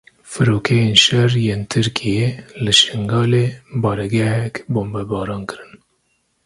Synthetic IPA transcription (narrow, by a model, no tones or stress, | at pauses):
fɨɾoːkʰejeːnʃɛrjeːnt̪ʰɨɾkʰijelɨʃɪŋɡɑːleːbɑːɾɛɡɛhɛkboːmbɛbɑːɾɑːnkɨɾɨn